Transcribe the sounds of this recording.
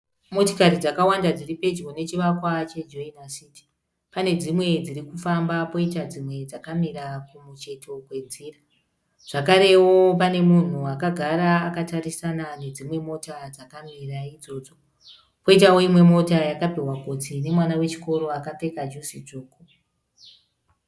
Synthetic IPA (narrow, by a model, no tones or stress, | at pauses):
mo̞tokaɾid͡zakawandad͡ziripe̞d͡ʒone̞t͡ʃiʋakwat͡ʃe̞d͡ʒoinasiti̥ | pane̞d͡zimwe̞d͡ziɾikufambapo̞itad͡zimwe̞d͡zakamiɾakumut͡ʃe̞tʰo̞kwe̞d͡ziːra | ʐ̥akaɾe̞wo̞p̬ane̞mun̤uakaɡʱaɾaːkatarisanane̞d͡zimwe̞mo̞tad͡zakamiraid͡zo̞ːd͡zo̞ | po̞itawoimwe̞mo̞tajakapiɦwakot͡sine̞mwanawe̞t͡ʃi̥ko̞ɾo̞akape̞kad͡ʒusit͡ʂoːko